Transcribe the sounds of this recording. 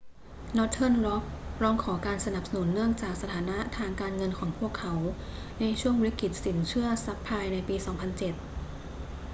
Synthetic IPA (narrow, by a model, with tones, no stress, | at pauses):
nɔ˦˥t̪ʰɤː˥˩nɾɔ˦˥p̚ɾɔː˧ŋkʰɔː˩˦kaː˧nsa˧na˨˩p̚sa˧nu˩˦nːɯ˥˩əŋt͡ɕaː˨˩k̚sa˧t̪ʰaː˩˦na˦˥t̪ʰaː˧ŋkaː˧nŋɤ˧nkʰɔː˩˦ŋpʰu˥˩əkʰːa˩˦˥w | na˧jt͡ɕʰu˥˩əŋɾi˦˥ki˨˩t̪̚si˩˦nt͡ɕʰɯ˥˩ɐsa˦˥pʰːaː˧jna˧jpiː˧sɔː˩˦ŋpʰa˧nt͡ɕe˨˩t̪̚